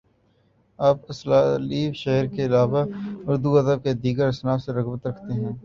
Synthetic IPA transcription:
aːpɐslaːliːbʃɛɦəɾkeɪlaːʋaʊɾd̪uɐd̪əb̚ked̪iːɡəɾɐsnaːfseɾɐɣbət̪ɾɐkʰt̪eɦɛ̃ː

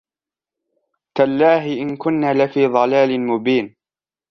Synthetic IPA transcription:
kalːaːɦɪʔɪnkʊnːaːlɪfiːðˤɑlaːlɪnmʊbiːn

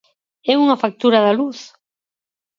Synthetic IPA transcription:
ɛuŋɐfak̚t̪uɾaðaluθ

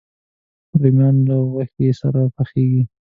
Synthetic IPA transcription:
ɾimjɑnləɣaxt̪esa̰ɾapaxeɡi

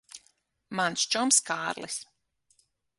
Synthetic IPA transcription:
manst͡ʃɔmskaːɾlḭs

